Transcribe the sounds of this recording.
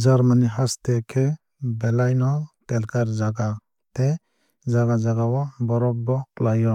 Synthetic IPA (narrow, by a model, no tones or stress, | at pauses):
zaɾmaniɦastɛkʰe | bɛlajnɔtɛlkaɾzaɡa | t̪e | d͡ʒaɡad͡ʒaɡawɔbɔɾɔbbɔklajɔ